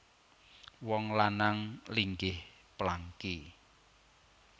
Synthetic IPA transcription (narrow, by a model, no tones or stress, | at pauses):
wɔŋlanaŋliŋɡɪhplaŋki